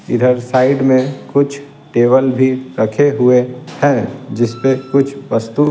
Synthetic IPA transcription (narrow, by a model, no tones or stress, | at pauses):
ɪd̪ʱəɾsaːɪɖmẽkʊt͡ʃʰ | ʈeːbəlbʱiɾɐkʰeɦʊehɛ̃ːd͡ʒɪspekʊt͡ʃʰʋɐst̪u